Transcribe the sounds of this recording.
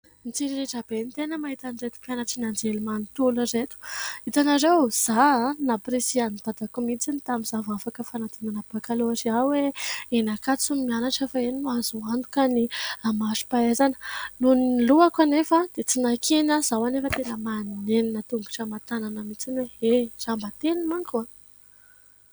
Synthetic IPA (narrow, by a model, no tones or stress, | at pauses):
nit͡siɾiɾeʈ͡ʂab̥enit̪enəmaɦit̪aniret̪u̥pjanaʈ͡ʂinand͡zelimanit̪uləret̪u̥it̪anaɾewz̥anapresianb̥̪ad̪akumit͡sinit̪amizavafakəfanat̪enanəb̥akaloaʈ͡ʂiaweenakat͡sumianaʈ͡ʂefaeninuazuant̪u̥kaniamaʃi̥paezanə̥nunluakwanefad̪̥et͡sinakʰenaz̥awanefət̪enəmanneninət̪uŋɡu̥ʈ͡ʂəmat̪ananəmit͡sinweez̥ambət̪enimaŋkua